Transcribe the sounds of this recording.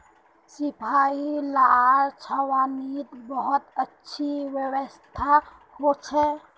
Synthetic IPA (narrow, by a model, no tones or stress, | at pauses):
sɪpʰaːilaɾt͡ʃʰəwaːnit̪bəɦʊt̪ətːʃʰiwjəwəst̪ʰa | hot͡ʃʰɛ